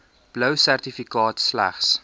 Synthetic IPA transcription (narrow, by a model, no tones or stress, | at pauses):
b̥lœwsærtifikɑːtslæ̰χs